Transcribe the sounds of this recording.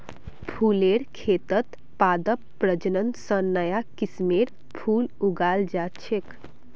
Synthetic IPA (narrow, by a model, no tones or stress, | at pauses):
pʰuleɾkʰet̪ət̪ | pad̪əppːɾəd͡ʒənənd̪sənːəjakismeɾ | pʰuluɡald͡ʒat͡ʃʰek